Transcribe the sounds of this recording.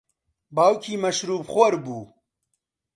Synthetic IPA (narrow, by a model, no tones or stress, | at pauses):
baːwkʰiːmɐʃɾuːbχoɾbuː